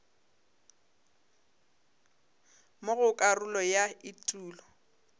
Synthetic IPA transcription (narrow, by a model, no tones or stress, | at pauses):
mʊɣʊkʼarʊlɔjaɪtʼuːlɔ